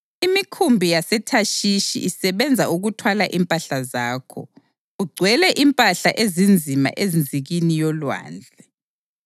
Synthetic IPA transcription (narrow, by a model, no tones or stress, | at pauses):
imikʰumbʱijasɛtʰaʃiʃḭʔisɛβɛnd͡zʱauɣutʰwalaʔimpʼaɬazaːkʰɔ̰ | uɡ͡ǀʱwɛlɛʔimpʼaɬaʔezind͡zʱima̰ʔezind͡zʱiɣinijɔlwa̰ːnd͡ɮʱɛ